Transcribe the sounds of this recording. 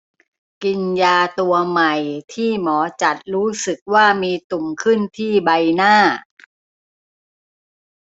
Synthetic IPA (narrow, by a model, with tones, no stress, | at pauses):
ki˧njaː˧t̪u˧ɐma˨˩jt̪ʰiː˥˩mɔː˩˦t͡ɕa˨˩t̪̚ɾuː˦˥sɯ˨˩k̚waː˥˩miː˧t̪u˨˩mkʰɯ˥˩nt̪ʰiː˥˩ba˧jnaː˥˩